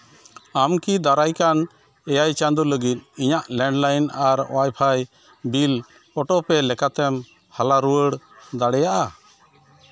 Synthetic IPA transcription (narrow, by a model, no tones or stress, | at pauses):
amkid̪aɾajkan | ɛjajt͡ʃand̪uləɡit̪̚iɲaʔlɛɳɖlajnaɾ̰wajpʰaj | bil | ɔʈɔpɛlɛkat̪ɛm | halaɾuəɽd̪aɽɛjaʔa